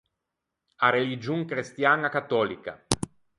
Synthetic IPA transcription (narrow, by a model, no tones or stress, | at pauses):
aɾelid͡ʒuŋkɾist̪janakat̪ːɔːlika̰